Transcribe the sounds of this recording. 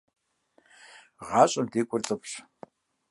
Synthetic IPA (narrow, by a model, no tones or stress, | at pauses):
ʁɑːɕʼɪmdeːkʷʼʊrt͡sʼɨpʰʼɕ